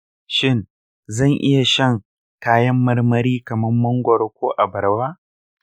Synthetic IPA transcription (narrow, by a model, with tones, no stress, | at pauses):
ʃɪ˦n | zɐ˦˨ŋʔɪ˦ja˨ʃɐ˦˨ŋ | kaː˦jɐ˦mːɐ˦rmɐ˦ɾiː˦kɐ˨mɐ˦mːɐ˦ŋɡʷɔ˨ɾkʷoː˦ʔa˨bɐ˨ɾwaː˦